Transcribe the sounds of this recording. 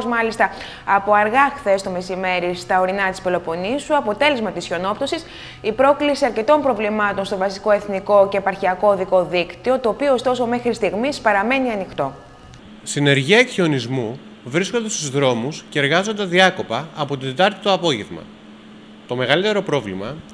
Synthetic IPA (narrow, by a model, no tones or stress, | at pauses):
zmɐlist̪ɐ | ɐpo̞ɐɾɣɐxθe̞st̪o̞me̞sime̞ɾist̪ɐo̞ɾinɐt̪i̥spilo̞po̞nisuɐpo̞t̪e̞le̞zmɐt̪isço̞no̞pt̪osis | ipɾo̞klisiɐɾce̞t̪o̞mpɾo̞vlimɐt̪o̞nst̪o̞vɐsiko̞e̞θniko̞ce̞ːpɐɾçiɐko̞ðiko̞ðikt̪io̞t̪o̞ːpioːst̪o̞so̞me̞xɾist̪iɣmispɐɾɐme̞niɐnixt̪o̞ | st̪ine̞ɾʝiɐekçionizmu | vɾisko̞nd̪e̞st̪uzðɾo̞musceeɾɣɐzo̞nd̪ɐðiɐko̞pɐɐpot̪id̪et̪ɐɾt̪it̪oɐpo̞ʝevmɐ̰ | t̪o̞me̞ɣɐlit̪e̞ɾo̞pɾo̞vlḭmɐ